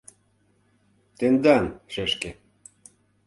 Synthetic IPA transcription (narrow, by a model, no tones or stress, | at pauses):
t̪end̪ɑnʃeʃke